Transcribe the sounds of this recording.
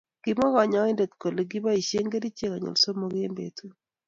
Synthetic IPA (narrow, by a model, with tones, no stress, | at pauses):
ɡ̥i˨mɔ˦ɣɔ˨ɲɔ˦ɪ˦nde˨t̪ko˨le˨ɡi˦ba˦i˨ʃe˦ŋɡe˦di˦t͡ʃe˦ka˨ɲwo̰˨lso˦mo˦ɡe˦mbḛ˨tu˦